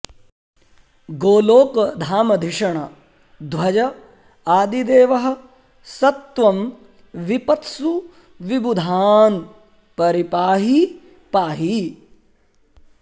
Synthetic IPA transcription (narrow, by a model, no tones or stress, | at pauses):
ɡoːloːkd̪ʱaːmɐd̪ʱiʂɐɳɐ | d̪ʋɐd͡ʒɐ | aːd̪id̪eːʋɐɦɐ̆ | sɐt̪ʋɐm | ʋipɐt̪su | ʋibud̪ʱaːn | pɐɾipaːɦi | paːɦi